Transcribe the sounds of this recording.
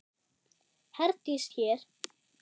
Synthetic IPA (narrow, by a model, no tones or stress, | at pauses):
hɛɾt̪ist̪çɛːɾ̥